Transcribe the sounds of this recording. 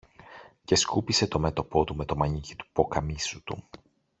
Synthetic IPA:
ce̞skupise̞t̪o̞me̞t̪o̞po̞t̪ume̞t̪o̞mɐɲicit̪u̥po̞kɐmisut̪ṵ

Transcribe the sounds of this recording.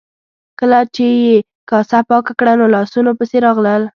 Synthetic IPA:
kəlat͡ʃeje | kɑsapɑkakɽanolɑsunopəseɾɑɣləl

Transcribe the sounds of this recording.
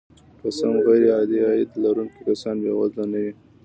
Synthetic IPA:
kasamɣaɾeɑd̪iɑid̪laɾuŋkikasɑnbewazlanawi

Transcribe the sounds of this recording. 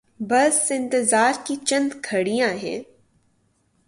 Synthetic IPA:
bɐsɪ̃nt̪ɪzaːɾkit͡ʃɐ̃nd̪kʰɐɽijãɦɛ̰̃ː

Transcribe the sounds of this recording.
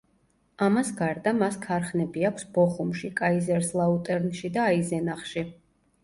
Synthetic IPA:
amasɡaɾd̪amaskʰaɾχnɛbiakʷʰsb̥ɔχumʃikʼaizɛɾslˠaut̪ʼɛɾnʃid̪aːizɛnaχʃi

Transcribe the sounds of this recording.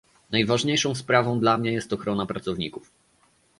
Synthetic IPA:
najvaʐɲejʂɔ̃w̃spɾavɔ̃w̃d̪lamɲɛjɛst̪ɔxɾɔnapɾat̪sɔvɲikuf

